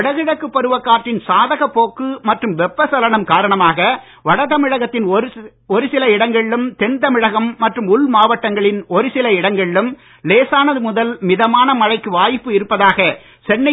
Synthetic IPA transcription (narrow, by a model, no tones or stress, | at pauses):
ɽɐɣɪɽɐkːɯpːɔɾɯʋɐkːaːʈrɪnsaːðɐɣɐpːoːkːɯmɐʈrɯmʋɛpːɐsɐlɐɳɐmkaːɾɐɳɐmaːɣɐ | ʋɐɽɐt̪ɐmɪɻɐɣɐt̪ːɪn | ɔɾɯsɪlɐɪɽɐŋɡɐɭɪlɯmt̪ɛnt̪ɐmɪɻɐɣɐmːɐʈrɯmʊlmaːʋɐʈːɐŋɡɐɭɪnɔɾɯsɪlɐɪɽɐŋɡɐɭɪlɯm | leːsaːnɐðɯmʊðɐlmɪðɐmaːnɐmɐɻɐɪkːɯʋaːjpːɯɪɾɯpːɐðaːɣɐ | sɛnːɐ